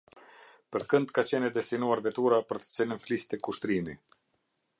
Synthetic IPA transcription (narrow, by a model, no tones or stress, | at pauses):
pəɾkənd̪kat͡ɕɛnɛd̪ɛst̪inuaɾvɛt̪uɾapəɾt̪ə̥t͡sɛnənflist̪ɛkuʃt̪ɾimi